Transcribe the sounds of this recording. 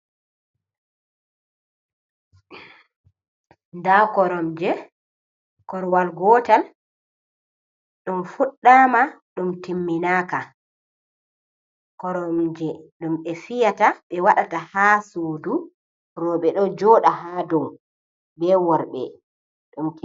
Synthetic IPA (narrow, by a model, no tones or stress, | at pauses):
ndakɔɾɔmd͡ʒɛ | kɔɾwalɡɔtal | ɗɔmfuɗːamaɗumtimːinaːka | kɔɾɔmd͡ʒɛɗumɓɛfijataɓɛwaɗatahasoːdu | ɾɔɓɛɗɔd͡ʒɔɗaɦaːdɔm | bɛwɔɾɓɛ̰ | ɗumt